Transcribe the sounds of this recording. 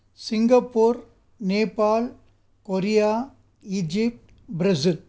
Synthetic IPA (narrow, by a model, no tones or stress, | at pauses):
sɪŋɡɐpːoːɾ | neːpːaːl | kɔɾɪjaː | ɪd͡ʒɪp̚ʈ | bɾɐsɪl